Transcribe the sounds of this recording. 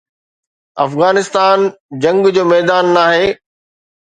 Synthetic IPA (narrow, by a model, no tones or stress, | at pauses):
ɐ̰fɣaːnɪst̪aːnd͡ʑɐ̃ŋɡd͡ʑoːmɛːd̪aːnːaːɦeː